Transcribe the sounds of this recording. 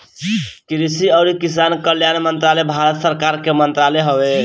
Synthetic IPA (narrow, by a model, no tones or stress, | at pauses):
kiɾisiəʊɾikis̬ankəljanmənt̪ɾalebʱaɾət̪səɾkaɾkemənt̪ɾaleɦəbe